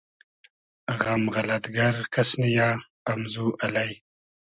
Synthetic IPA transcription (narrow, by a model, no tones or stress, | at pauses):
ɣamɣalat̪ɡaɾkʰasnijɑː | mzuʔalaj